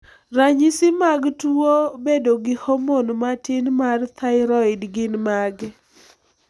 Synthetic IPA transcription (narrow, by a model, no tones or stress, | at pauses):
raɲisɪmaɡtuobedoɡɪhomonmatɪnmart̪ʰaɪɾɔɪdɡɪnmaɡ